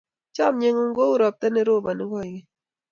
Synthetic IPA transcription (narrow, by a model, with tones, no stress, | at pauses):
t͡ʃɔ˦mɲe˦ŋu˦ŋɡo˦u˦ɾɔ˨p̚t̪ɛ˦ne˦ɾo˦˨ba˨nɪ˦ɡɔ˦˨i˨ŋi˦